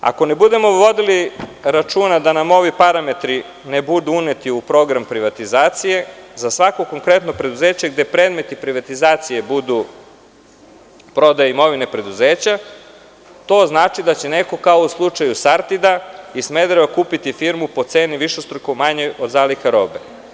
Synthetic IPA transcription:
a̰ko̞ne̞bud̪e̞mo̞ʋo̞d̪iliɾat͡ʃuːnad̪anamo̞ʋipaɾame̞t̪ɾi | ne̞bud̪uunet̪iupɾo̞ɡɾampɾiʋat̪izaːt̪sije̞zasʋako̞ko̞ŋkɾe̞t̪no̞pɾe̞d̪uze̞ːt͡ɕeɡ̚d̪e̞pɾed̪me̞t̪ipɾiʋat̪izaːt̪sije̞bud̪u | pɾo̞d̪ajeimo̞ʋine̞pɾe̞d̪uzeːt͡ɕa | t̪o̞znaːt͡ʃid̪at͡ɕe̞ne̞ko̞kaouslˠut͡ʃajusaɾt̪id̪aisme̞d̪ɾeβakuːpit̪ifiɾmupo̞t̪se̞ːniʋiʃest̪ɾukomaɲeʔo̞d̪zaːlikaɾo̞̰ːbḛ

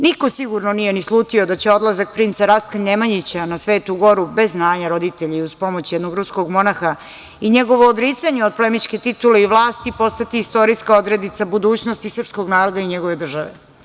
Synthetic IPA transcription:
niko̞siɡuɾnonijenislˠuːt̪io̞d̪at͡ɕeo̞d̪lˠazak̚pɾint̪saɾast̪̚kanemaɲit͡ɕanasʋeːt̪uɡo̞ɾube̞zːnaːɲaɾo̞d̪it̪eʎiuzpo̞mo̞t͡ɕjɛd̪noɡɾuskoɡmo̞naxa | iɲeɡo̞ʋoːd̪ɾit̪saɲeod̪̚polemit͡ʃke̞t̪it̪uleiʋlˠaːst̪ipo̞st̪at̪iːst̪o̞ɾiskaod̪ɾed̪it̪sabud̪uːt͡ɕnost̪isrpskoɡnaːɾo̞d̪aiɲeɡo̞ʋe̞d̪r̩ʒaʋḛ

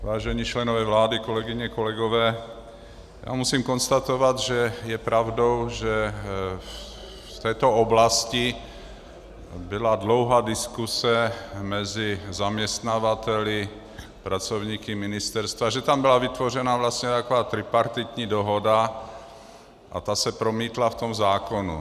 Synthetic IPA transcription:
vaːʒɛɲiːt͡ʃlɛnovɛvlaːdikolɛɡiɲɛkolɛɡovɛː | ja̰ːmusiːmkonst̪at̪ovad̪ʒɛjɛpɾavdowʒɛ | t̪ɛːt̪ooblasci | biladlowɦaːdiskusɛmɛzɪzamɲɛst̪navat̪ɛlɪ | pɾat͡sovɲiːkɪmɪnɪst̪ɛɾst̪vaʒɛt̪ambɪlavɪt̪vorɛnavlast̪ɲɛt̪akovaːt̪ɾɪpaɾt̪it̪ɲiːdoɦoda | ʔa̰t̪asɛpɾomiːt̪laft̪omzaːkonṵ

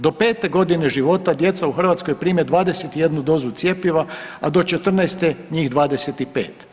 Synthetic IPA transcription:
d̪o̞peːt̪e̞ɡo̞d̪ine̞ʒiʋo̞t̪ad̪je̞t̪sauxr̩ʋat̪skojpɾiːmed̪ʋaːd̪eset̪ije̞d̪nud̪o̞ːzut̪sjepjiʋaad̪o̞t͡ʃet̪r̩najst̪eɲiːxd̪ʋaːd̪eset̪ipḛːt̪

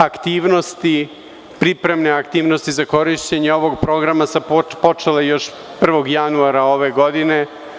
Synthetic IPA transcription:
akt̪iːʋno̞st̪i | pɾipɾe̞mneakt̪iːʋno̞st̪izako̞ɾiʃt͡ɕeɲeo̞ʋo̞ɡpɾo̞ɡɾamasappo̞t͡ʃelejo̞ʃ | pr̩ʋo̞ɡjanuaɾao̞ʋe̞ɡo̞d̪ine̞

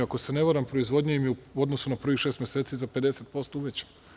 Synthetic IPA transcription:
ako̞se̞ne̞ʋaɾampɾoizʋo̞d̪ɲeimjo̞d̪nosunapr̩ʋiʃeːst̪mʲjese̞ːt̪siːzape̞d̪e̞set̪̚po̞st̪ouʋet͡ɕe̥

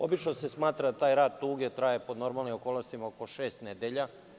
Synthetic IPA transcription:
o̞̰bit͡ʃnose̞smaːt̪ɾad̪at̪aːjɾaːd̪̚t̪uːɡet̪ɾajepod̪no̞ɾmalnimokoːlˠnost̪imaoko̞ʃeːst̪ned̪eʎa

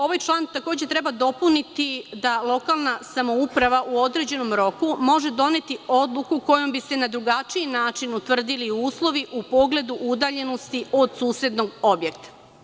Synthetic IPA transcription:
o̞ʋajt͡ʃlˠaːnt̪ako̞ːd͡ʑet̪ɾe̞bad̪o̞punit̪id̪alˠo̞kalˠnasamo̞upɾaʋaʔuo̞d̪ɾe̞d͡ʑe̞no̞mɾo̞kumo̞ʒe̞d̪o̞ne̞t̪io̞d̪lˠukuko̞jo̞mbise̞nad̪ɾuɡat͡ʃiinaːt͡ʃinut̪ʋr̩d̪iliuːslˠo̞ʋiʔupo̞ɡle̞d̪uʔud̪aːʎe̞no̞st̪io̞d̪suːsje̞d̪no̞ɡo̞bje̞k̚t̪ḁ

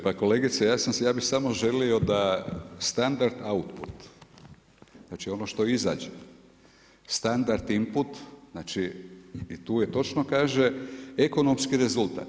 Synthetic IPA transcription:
pako̞le̞ɡit̪sejaːsansejaːbixsamo̞ʒe̞lio̞d̪ast̪and̪aɾd̪aut̪put̪ | znaːt͡ʃio̞noʃt̪o̞iza̰ːd͡ʒe | st̪and̪aɾt̪imput̪naːt͡ʃiː | t̪uːjet̪o̞t͡ʃno̞kaːʒe̞eko̞no̞mskiɾe̞zult̪a̰ːt̪

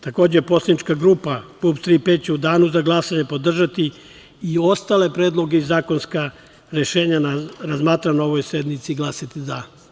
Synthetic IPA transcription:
t̪ako̞ːd͡ʑepo̞slʲˠenit͡ʃkaɡɾuːpapupt̪ɾipeːd̪̚t͡ɕeud̪aːnuzaɡlˠasaɲe̞po̞d̪r̩ʒat̪i | io̞st̪ale̞pɾeːd̪lˠo̞ɡeizaːko̞nska | ɾe̞ʃe̞ːɲanaɾazmaːt̪ɾano̞ʋojsed̪nit̪siɡlˠasat̪iza

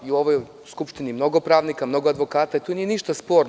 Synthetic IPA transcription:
iuo̞ʋoj | skupʃt̪inimno̞ɡopɾaːʋnikamno̞ɡoad̪ʋo̞kaːt̪ait̪unije̞niʃt̪aspo̞ːɾ

